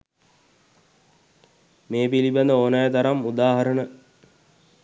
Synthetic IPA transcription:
meːpiliband̪əoːnajət̪aɾamud̪aːɦɐɾənə

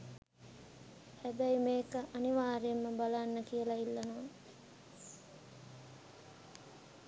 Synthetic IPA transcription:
hæbæimeːkəʔaniʋaːɾemːəbalanːəkijəlailːɐnoːn

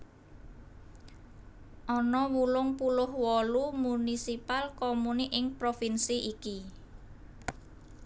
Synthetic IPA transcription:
ʔɔnɔwulʊŋpulʊhwɔlumunisipalkɔmuniʔɪŋpɾofinsiʔiki

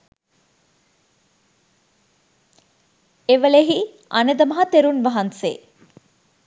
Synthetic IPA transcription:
eʋəleɦi | ʔɐ̰nəd̪əmɐɦɐt̪eɾunʋɐɦɐnsḛ

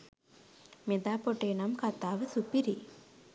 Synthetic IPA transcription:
med̪aːpoʈeːnamkat̪aːʋəsupiɾi

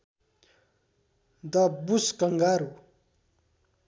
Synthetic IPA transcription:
d̪ʌbuskʌŋɡaɾu

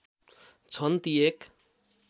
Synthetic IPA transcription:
t͡sʰʌnt̪iek

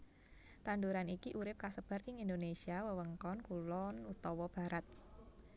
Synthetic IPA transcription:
t̪anduɾanikiʔuɾɪp̚kasəb̥a̤rɪŋind̪onesiawəwəŋkɔnkulɔnut̪ɔwɔb̥a̤ɾat̪̚

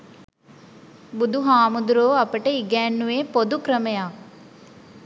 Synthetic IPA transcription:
bud̪ʱuɦaːmud̪uɾoːɐpəʈəiɡɛːnːuʋeːpod̪ukɾəməjaːk

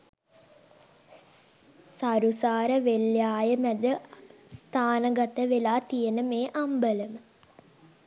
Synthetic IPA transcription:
saɾusaːɾəʋeljaːjəmæd̪əst̪ʰaːnəɡat̪əʋelaːt̪ijenəmeːʔambələmə

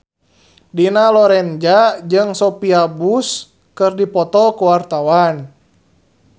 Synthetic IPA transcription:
dinalɔɾɛnd͡ʒad͡ʒɨŋsɔpiabus | kɨrdipɔt̪ɔkuwart̪awan

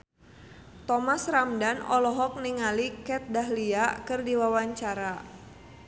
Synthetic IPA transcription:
t̪ɔmasramdanɔ̰lɔɦɔk̚niŋalikɛt̪̚daɦliakɨrdiwawaɲt͡ʃaɾa

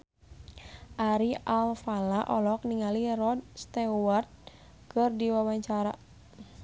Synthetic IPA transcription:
ʔaɾialfalaʔɔlɔk̚niŋalirɔd̪̚st̪ɛwart̪̚ | kɨrdiwawaɲt͡ʃaɾa

